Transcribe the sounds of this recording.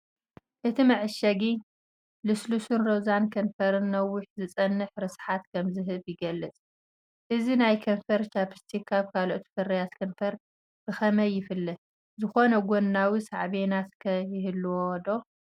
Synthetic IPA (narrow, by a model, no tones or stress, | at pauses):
ʔɨt̪ʰimɨʕɨʃɐɡi | lɨslusunɾozankʰɐnfɐɾɨnːɐwːʊħzɨt͡sʼɐnːɨħɾɨsħat̪kʰɐmzɨɦɨβjɪɡɐlːɨt͡sʼ | ʔɨzinajkʰɐnfɐɾt͡ʃapʰɨ̥st̪ʰikʰːaβkʰalʔot̪fɐrɐjat̪kʰɐnfɐɾ | b̥ɨxɐmɐjːɪfɨlːɐ | zɨxo̞nɐɡonːawisaʕβenat̪kʰɐjɪhɨlːwod̪o̞